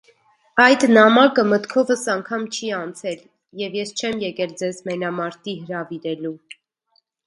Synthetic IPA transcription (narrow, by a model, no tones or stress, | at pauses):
ɑjd̪nɑmɑkəmət̪kʰɔvəsɑŋkʰɑmt͡ʃʰiɑnt͡sʰɛl | jɛvjɛst͡ʃʰɛmjɛkɛld͡zɛzmɛnɑmɑɾt̪iɦəɾɑviɾɛlu